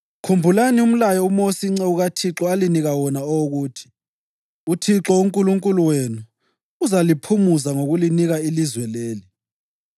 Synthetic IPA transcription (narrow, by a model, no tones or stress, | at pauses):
kʰumbʱulanium̩lajɔumosiŋ͡ǀɛuɣatʰiǁɔaliniɣawɔnaɔoɣuːtʰi̥ | utʰiǁɔuŋkʼuluŋkʼuluweːnuː | zalipʰumuzaŋoɣuliniɣailizwɛleːli